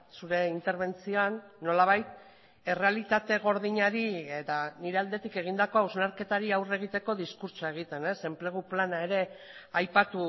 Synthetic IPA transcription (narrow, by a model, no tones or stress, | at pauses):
suɾe̞int̪e̞ɾβ̞e̞nt͡sioanːo̞laβ̞ajt̪ | e̞re̞alit̪at̪e̞ɣ̞o̞ɾð̞iɲaɾiet̪aniɾe̞ald̪e̞t̪ike̞ɣ̞ind̪ako̞auznaɾke̞t̪aɾiawre̞ɣ̞it̪e̞ko̞ðiskuɾt͡soaeɣ̞it̪e̞ne̞se̞mple̞ɣ̞uplanae̞ɾe̞ajpat̪u